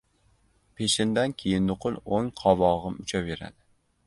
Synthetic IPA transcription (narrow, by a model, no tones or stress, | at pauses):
pʰeʃɪnd̪ankʲʰejɪnːʊqʰɨlˠoŋqʰɒvɒʁɨmʊt͡ʃʰave̞ɾa̰d̪ɪ